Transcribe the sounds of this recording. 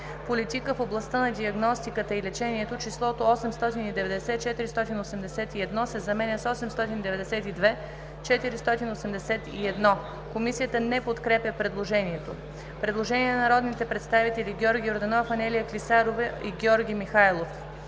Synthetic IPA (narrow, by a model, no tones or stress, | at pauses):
polit̪ikəfoblˠɐst̪ənɐd̪ʲiɐɡnɔst̪ikət̪əilɛt͡ʃɛniɛt̪ot͡ʃislˠɔt̪oɔsɛmst̪ɔt̪inid̪ɛvɛd̪ɛsɛt̪̚t͡ʃɛt̪iɾist̪ɔt̪inosɛmd̪ɛsɛt̪iɛd̪nɔsɛzɐmɛnʲəsɔsɛmst̪ɔt̪inid̪ɛvɛd̪ɛsɛt̪id̪vɛ | t͡ʃɛt̪iɾist̪ɔt̪inosɛmd̪ɛsɛt̪ḭɛd̪nɔ | komisijət̪ənɛpot̪kɾɛpjɐpɾɛd̪lˠoʒɛniɛt̪o | pɾɛd̪lˠoʒɛnʲiɛnnɐɾɔd̪nit̪ɛpɾɛt̪st̪avit̪ɛliɡʲɔɾɡʲioɾd̪ɐnɔfɐnɛlijəklisaɾovɛiɡʲɔɾɡʲimixajlˠof